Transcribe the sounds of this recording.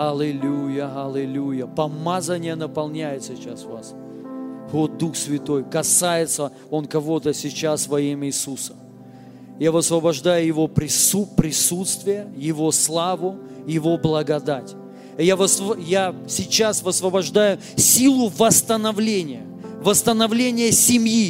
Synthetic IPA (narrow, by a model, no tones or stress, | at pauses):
ɐlʲɪlʲujəɦɐlʲɪlʲujəpɐmazənʲɪjənəpɐlˠnʲæjɪt̪sʲɪt͡ɕasvas | vot̪̚d̪uxsvʲɪt̪o̞jkɐsajɪt̪sə | o̞nkɐvo̞t̪əsʲɪt͡ɕasvɐimɪːsusəm | javəsvəbɐʐd̪ajʊjɪvo̞pɾʲɪsupɾʲɪsut̪st̪vʲɪjəjɪvo̞slˠavʊ | jɪvo̞blˠəɡɐd̪atʲ | javəsjasʲɪt͡ɕasvəsvəbɐʐd̪ajʊ | sʲilˠʊvəst̪ənɐvlʲenʲɪjə | vəst̪ənɐvlʲenʲɪjəsʲɪmji